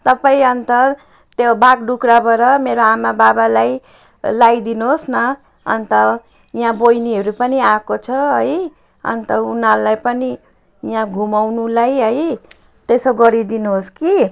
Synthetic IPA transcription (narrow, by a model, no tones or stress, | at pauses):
t̪ʌpaĩʌnt̪ʌ | t̪jobaɡɖukɾabʌɾʌmeɾoamababalaj | lajd̪inuɦosnʌ | ʌ̰nt̪ʌ | ijãbojniɦʌɾupʌniakot͡sʰʌɦʌj | ʌ̰nt̪ʌunalajpʌni | jãɡʱumawnulajɦʌj | t̪esoɡʌɾid̪inuɦoski